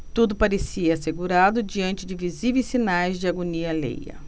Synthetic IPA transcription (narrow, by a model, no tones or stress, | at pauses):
t̪ud̪ʊpaɾesiɐːseɡuɾad̪ʊd͡ʒiɐ̃nt͡ʃɪd͡ʒɪvizivejsːinajzd͡ʒɪaɡoniɐlḛjɐ̰